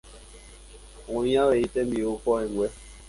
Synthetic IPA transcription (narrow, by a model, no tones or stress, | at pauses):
ujawɛitɛmiokɔiŋwɛ